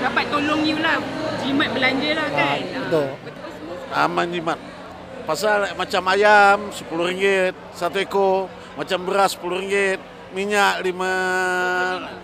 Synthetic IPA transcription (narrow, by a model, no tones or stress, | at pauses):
napajt̪olɔŋiulahd͡ʒimat̪̚bəlaɲd͡ʒəlaht̪o | a̰maɲd͡ʒimat̪̚ | pasalmat͡ʃamajamsəpuluɾiŋɡet̪̚sat̪̬ueko | mat͡ʃambəɾasə̥puluriŋɡɪt̪̚ | miɲaʔlima